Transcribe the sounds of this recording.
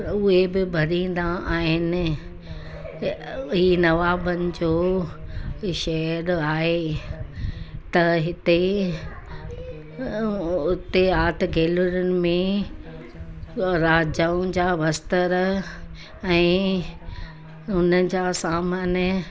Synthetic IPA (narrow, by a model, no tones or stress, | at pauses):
ʊɦebɪbʱɐɾĩːn̆d̪aaːɦɪnɪ̆ | ɦiːnɐʋaːbənɪ̆d͡ʑoː | ʃɛɦəɾaːɦe | t̪ɐɦɪt̪e | ʊt̪eaːt̪ɡʱeːlʊɾʊnɪ̆mẽ | ɾaːd͡ʑaːʊ̃d͡ʑaːʋɐst̪əɾ | ɛ̃ː | ʊnəd͡ʑaːsaːmaːn